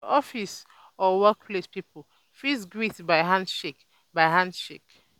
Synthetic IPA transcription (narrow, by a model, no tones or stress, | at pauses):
ɔfis | ɔwɛkpʰlespipəl | fisɡɹitbaɪɦãndʃek | baɪɦãndʃek